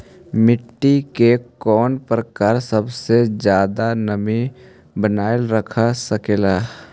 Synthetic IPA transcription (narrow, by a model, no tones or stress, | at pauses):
mɪʈːikekɔːnpɾəkaːɾsəbsed͡ʒjaːd̪anɐbĩ | bənaːjlɾəkʰasəkeːlaː